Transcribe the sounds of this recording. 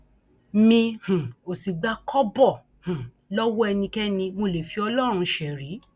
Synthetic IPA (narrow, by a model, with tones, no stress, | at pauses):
mĩ˧hũ˨o˨si˨ɡ͡ba˧kʰɔ˦bɔ˦˨ | h̩˨ | lɔ˦wɔ˦ɛ˧nĩ˧kɛ˦nĩ˧mo˧˨le˨fi˧ɔ˧lɔ˦ɾ̃ũ˧ʃɛ˨ɾi˨˦